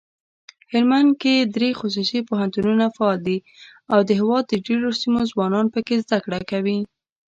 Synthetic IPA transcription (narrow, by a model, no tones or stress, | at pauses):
hɪɾmand̪ked̪ɾexʊs̬usipoɦant̪ununafaɑld̪i | awd̪əɦɪwɑd̪ːəɖeɾosimozwɑnɑnpəkezd̪akɽakawi